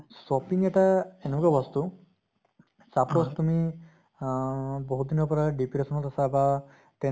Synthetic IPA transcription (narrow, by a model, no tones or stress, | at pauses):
sɔpiŋɛʈaenukabɔst̪u | sapost̪umi | bɔɦut̪̚d̪inɔpɔɾaɖipiɾesɔnɔt̪asaba | t̪ɛ